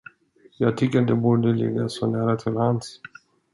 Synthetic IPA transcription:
jɑːɡ̚t̪ʰʏkːətd̪ɛbuːɖəlɪ̰ɡːasɔnæːɾat̪ʰɪlhans

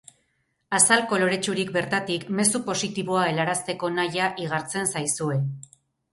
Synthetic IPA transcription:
asalko̞lo̞ɾe̞t͡ʃuɾikbe̞ɾt̪at̪ikme̞supo̞sit̪iβ̞oae̞laɾast̪e̞ko̞najaʔiɣ̞aɾt͡se̞nsajsue̞

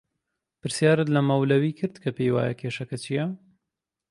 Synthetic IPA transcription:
pɨɾsjaːɾɨt̪lɐmɐwlɐwiːkʰɨɾd̪kʰɐpejwa̰ːjɐ̰kʰeːʃɐkɐt͡ʃʰijɐ

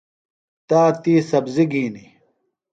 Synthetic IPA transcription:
t̪aːt̪iːsɐbziɡiːni

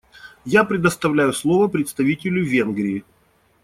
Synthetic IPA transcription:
japɾʲɪd̪əst̪ɐvlʲæjʊslˠovəpɾʲɪt̪st̪ɐvʲitʲɪlʲʊvʲe̞nɡɾʲɪː

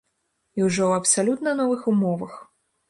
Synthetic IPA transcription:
iwʐɔwɐpsalʲut̪nɐnɔvɨxumɔvɐx

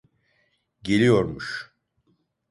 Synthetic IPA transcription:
ɟe̞lʲijo̞ɾmuʃ

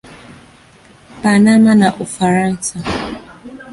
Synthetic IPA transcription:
banamanaʔofaɾan̩sa

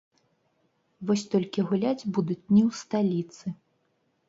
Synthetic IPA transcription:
vɔsʲt̪ɔlʲkʲiɣulʲad͡zʲbud̪ut͡sʲnʲiwst̪alʲit̪sɨ

